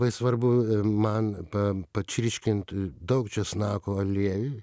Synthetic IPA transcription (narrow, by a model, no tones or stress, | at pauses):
bɐɪsʋɐrbʊmɐnpɐpɐt͡ʃʲɾʲɪʃʲkʲɪnt̪d̪ɐʊkt͡ʃʲɛsnɑːkoːɐlʲeːʋʲʊ